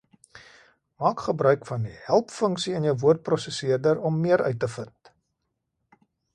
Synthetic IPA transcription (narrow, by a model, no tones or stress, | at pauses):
mɑːkχəbɾœɥkfɐndihælˠpfəŋksiənjəwvuərt̚prɔsəsiərdəɾɔmːiəɾʔœ̰ɥtːəfənt